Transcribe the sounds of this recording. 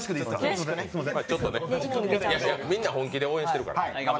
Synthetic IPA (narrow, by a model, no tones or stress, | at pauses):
ɕkɯɕi̥kɯnemaːt͡ɕo̞t̪ːo̞nejajamʲĩnːahõŋkʲid̪e̞o̞ːẽ̞ɕi̥t̪e̞ɾɯka̰ɾa